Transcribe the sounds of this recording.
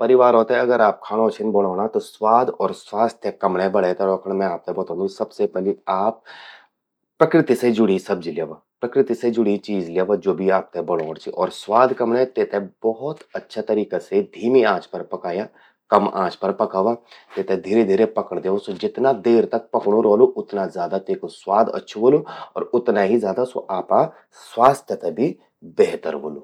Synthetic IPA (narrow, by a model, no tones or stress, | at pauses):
pɐɾɪʋaːɾɦoːt̪ɛɐɡəɾaːp̚kʰaːɽ̃ot͡ʃʰɪnbɐɽɔːɽ̃at̪oswaːd̪ɔːɾswaːst̪ʰjəkɐmɽebɐɽet̪eɾɔːkəɽ̃mɛ̃aːp̚t̪ebɐt̪õːnd̪ũsɐbsepɛliaːp̚ | ɾɐkɾɪt̪ised͡ʒʊɽisɐbd͡ʒljeːʋaːpɾɐkɾɪt̪ised͡ʒʊɽ̤it͡ʃiːzljeːʋad͡ʒoːbʱiaːp̚t̪ebɐɽɔːɽ̃t͡ʃʰiʔɔːɾswaːd̪ʱkɐmɽẽt̪et̪ebɔɦʊt̪ɐtːʃʰat̪ɐɾiːkased̪ʱiːmiãːt͡ʃpɐɾpɐkaːjaː | kɐmã̰ːt͡ʃpɐɾpɐkaːʋat̪eːt̪ẽd̪ʱiːɾed̪ʱiːɾepɐkəɽ̃d̪eːʋosod͡ʒɪt̪nad̪eːɾt̪ɐk̚pɐkɽ̃õɾɔːloʔʊt̪nazjaːd̪at̪eːkoswaːd̪ə̰tːʃʰoɦoːloɔ̰ːɾʊt̪naɦizjaːd̪aso̰ʔaːpa | swaːst̪ʰjət̪ebʱi | beɦt̪ə̰ɾɦo̰ːloː